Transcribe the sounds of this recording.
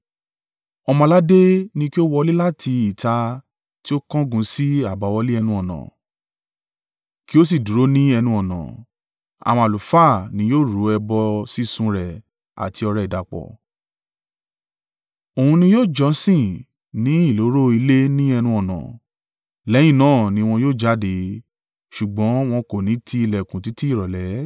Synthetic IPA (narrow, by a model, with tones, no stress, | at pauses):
ɔ˧mɔ̃˧la˦de˦nĩ˧ki˦o˦wɔ˧li˦la˦tʰi˧i˨ta˧ | ti˦o˦kɔ̃˦ɡũ˨˦si˦a˦˨ba˨wɔ˧li˦ɛ˧nũ˧ɔ˨nã̰˨ | ki˦o˦s̬i˨du˨ɾo˨˦nĩ˦ɛ˧nũ˧ɔ˨nã̰˨ | a̰˨w̃ɔ̃˧a˨lu˨fa˦˨nĩ˧˦joː˦˨ɾu˨˦ɛ˧bɔ˧si˦˨sũ˧ɾɛ˨ | a̰˨tʰi˧ɔ˧ɾɛ˧˨i˨da˨k͡pɔ̰˨ | o˨hũ˧nĩ˧joː˦˨d͡ʒɔ̃˨˦sĩ˦˨ | nĩ˨˦i˦˨lo˨˦ɾo˦i˧le˦nĩ˦ɛ˧nũ˧ɔ˨nã̰˨ | lɛ˨˦j̃ĩ˦˨nãː˦˨nĩ˧˦˧w̃ɔ̃˧joː˦˨d͡ʒa˦de˨˦ | ʃu˨ɡ͡bɔ̃˨˦w̃ɔ̃˧ko˨nĩ˨˦tʰi˧i˧˨lɛ˨kũ˨ti˨˦ti˦i˦˨ɾɔ˨lɛ˨˦